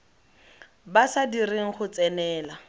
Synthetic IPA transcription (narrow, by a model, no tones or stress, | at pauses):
basadireŋ̩χʊt͡sɛnɛːla